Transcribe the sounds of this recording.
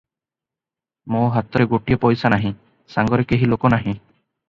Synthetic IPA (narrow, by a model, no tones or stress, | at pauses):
mõɦat̪ɔɾeɡoʈijɔpɔjsanaɦĩ | saŋɡɔɾekeɦilokɔnaɦĩ